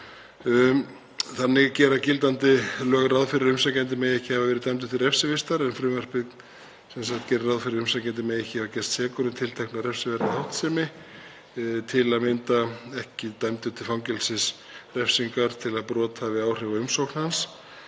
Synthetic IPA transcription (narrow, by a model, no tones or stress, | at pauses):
θanːɪɣcɛːɾaðcɪlt̪̬ant̪ɪlœːɣɾaðfɪɾɪɾʏmsacɛnt̪ɪmeːjɛhcɪhavavɛɾɪɾt̪ajmt̪̬ʏ̥t̪ʰɪlɾrɛfsɪvɪst̪aɾɛnfɾʏːmœr̥pɪð | sɛns̬axt̪̚cɛːɾɪɾaðfɪɾɪɾʏmsacɛnt̪ɪmeːjɛhcɪhavacɛr̥st̪sɛːkʏɾʏmt̪ʰɪlt̪ʰɛjhknaɾɛfsɪvɛɾt̪ahawht̪sɛmɪ | t̪ʰɪlaðmɪnt̪aɛhcɪt̪ajmt̪ʏt̪ʰɪlfawŋcɛlsɪs | rɛfsiŋkaɾt̪ʰɪlaðpɾɔːt̪avɪaːwr̥ɪvaʏmsowkn̥hans